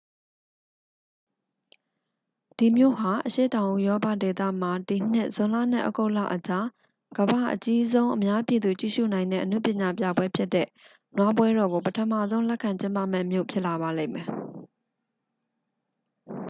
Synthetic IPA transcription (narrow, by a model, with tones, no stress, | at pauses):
d̥i˨mjo̰˦˨ɦa˨ʔəʃḛ˦˨tã˨ʊ̃ʔṵ˨jɔ˦pa˦˨de˨t̪ä̰˦˨m̥a˨di˨n̥ɪ̰˦ʔz̥ʊ̃˨la̰˦˨n̥ɪ̰˦˨ʔɔ̰˦ko˦ʊʔla̰˦˨ʔət͡ɕa˦ | ɡ̥əba˦˨ʔət͡ɕi˦zõ˦ʊ̃ʔəmja˦pji˨d̪u˨t͡ɕḭ˦˨ʃṵ˦˨nã˨ɪ̃nɛ̰˦˨ʔənṵ˦˨pjɪ̃˨ɲa˨pja̰˦˨bwɛ˦pʰjɪ˦tːɛ̰˦˨ | nwa˦pwɛ˦ɾɔ˨ɡo˨pətʰə˨ma̰˦˨zõ˦ʊ̃lɛ˦ʔkʰã˨ɲt͡ɕɪ̃˦mpa̰˦˨mɛ̰˦˨mjo̰˦˨pʰjɪ˦ʔla˨βa˨lẽ˦˨mɛ˨